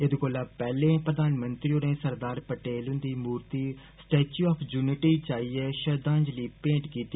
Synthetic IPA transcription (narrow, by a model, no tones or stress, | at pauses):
ɪd̪koːlaːpɛːlẽːpɾəd̪aːnmənt̪ɾioːnẽːsəɾd̪aːɾpəʈeːlɦʊ̃nd̪iːmuːɾt̪iː | sʈeːt͡ʃuːɔːpʰd͡ʒuːnɪʈiːt͡ʃaːiːɛːʃəɾd̪ãːɲd͡ʒliːpẽːʈkiːt̪iː